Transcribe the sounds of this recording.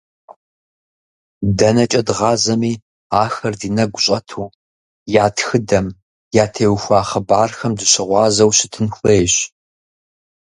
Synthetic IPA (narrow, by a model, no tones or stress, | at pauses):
dɐnɐt͡ʃʼɐdʁɑːzɐmiː | aːxɐrdiːnɐɡʷʊɕʼɐtʰuː | jaːtʰxɨdɐm | jaːtʰeːwxʷɑːχɐbaːrxɐmdɨɕɪʁʷɑːzɐwɕɪtʰɨnxʷejːɕ